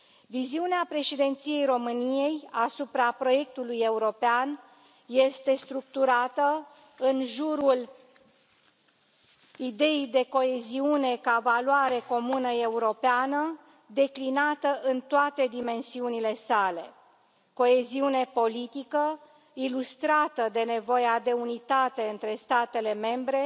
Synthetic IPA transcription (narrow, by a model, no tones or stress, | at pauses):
viziuneapɾe̞ʃid̪e̞nt̪sije̞jro̞mɨnije̞jasupɾapɾo̞je̞k̚t̪uluje̞uɾo̞pean | je̞st̪e̞st̪ɾuk̚t̪uɾat̪ə | ɨnʒuɾul | id̪e̞ijd̪e̞ko̞e̞ziune̞kavaloaɾe̞ko̞munəe̞uɾo̞peanə | d̪e̞klinat̪əʔɨnt̪oat̪e̞d̪ime̞nsiunile̞sale̞ | ko̞e̞ziune̞po̞lit̪ikə | ilust̪ɾat̪əd̪e̞ne̞vo̞jead̪e̞unit̪at̪e̞ɨnt̪ɾe̞st̪at̪e̞le̞me̞mbɾe̞